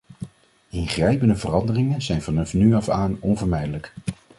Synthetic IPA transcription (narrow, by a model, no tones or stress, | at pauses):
ɪnχrɛjpəndəvərɑndərɪŋənzɛjnvɑnɑfnyɑfaːnɔnvəɹmɛjdələk